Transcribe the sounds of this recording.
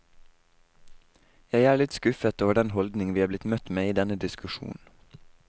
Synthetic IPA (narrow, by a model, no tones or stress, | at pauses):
jæɪæːɭɪt̪skʉfət̪oːʋəɖɛnhɔld̪nɪŋʋiːhɑːblɪt̪mœt̪meːiːd̪ɛnəd̪ɪskʉʃṵːn